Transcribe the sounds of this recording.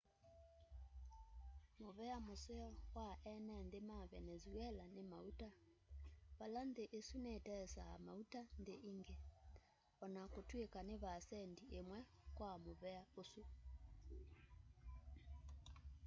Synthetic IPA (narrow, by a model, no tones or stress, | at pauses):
moβɛamoseɔkwaʔɛnɛndemaβɛnɛzuɛlanemauta | βalandeʔesunetɛsaa̰mautandeʔiŋɡe | ɔnakotwekaneβasɛndiemwɛkwamoβɛaosu